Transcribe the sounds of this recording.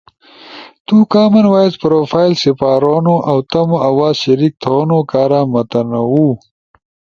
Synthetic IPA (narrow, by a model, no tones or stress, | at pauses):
t̪ukaːmɐnwaːjzpɾoːfaːjlsipaːɾoːnoʔɐwt̪ɐmoɐwaːzɕɐɾik̚t̪ʰoːnokaːɾaːmɐt̪ɐnɐwu